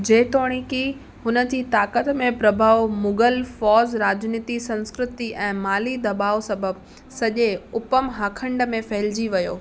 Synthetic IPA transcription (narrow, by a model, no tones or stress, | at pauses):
d͡ʑeːt̪oːɽ̃iki | hʊnə̆d͡ʑiːt̪aːkət̪mẽpɾɐbʱaːʋmʊɡəlfɔːzɾaːd͡ʑniːt̪isɐ̃nskɾɪt̪iʔɛ̃ːmaːlid̪ɐbaːʋosɐbʱəb | sɐʄeʊpəmɦaːkʰə̃ɳɖmẽfɐɦɪld͡ʑiʋɐjoː